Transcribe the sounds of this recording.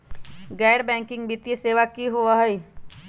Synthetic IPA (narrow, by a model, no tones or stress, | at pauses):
ɡɛːɾbɛ̃ːŋkɪ̃ŋɡbit̪jeseːʋakiɦoaɦɐi